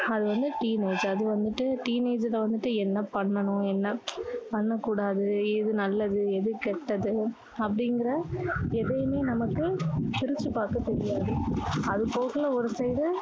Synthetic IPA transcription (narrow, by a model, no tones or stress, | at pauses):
ɐðɯʋɐnd̪ɯʈiːneːd͡ʒɐðɯʋɐnd̪ɯʈːɯʈiːneːd͡ʒlɐʋɐnd̪ɯʈːɯɛnːɐpɐɳːɐɳʊ̃ɛnːɐpɐɳːɐkːuːɽaːðɯɛðɯnɐlːɐðɯɛðɯkɛʈːɐðɯ | ɐpːɐɽɪŋɡɪɾɐɛðɐjɯmeːnɐmɐkːɯt̪ɪɾɯt͡ʃːɯpaːɾkɐt̪ːɛɾɪjaːðɯɐðɯpoːɣɐlɐɔɾɯsɐɪðɯ